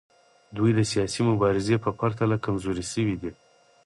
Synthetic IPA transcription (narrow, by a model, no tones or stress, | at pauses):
d̪ujd̪əsijɑsimʊbɑɾɪzepəpaɾt̪alakamzoɾisəwid̪i